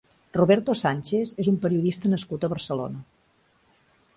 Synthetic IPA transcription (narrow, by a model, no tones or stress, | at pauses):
ruβɛɾt̪osanʲt͡ʃezezumpəɾiuðist̪ənəskut̪əβəɾsəlo̰nə